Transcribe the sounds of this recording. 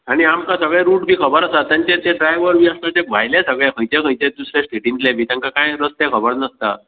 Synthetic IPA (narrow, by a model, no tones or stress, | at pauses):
aɽ̃iamkasəɡɭɛɾuːʈbʱiːkʰəbəɾasat̪ãnt͡ɕẽt̪eɖɾajʋəɾbʱiːast̪at̪eʋʱajlesəɡɭɛkʰə̃jt͡ɕekʰə̃jt͡ɕẽd̪usɾesʈeʈinʈlebʱiːt̪ãŋkakãjɾəst̪ekʰəbəɾnəst̪a̰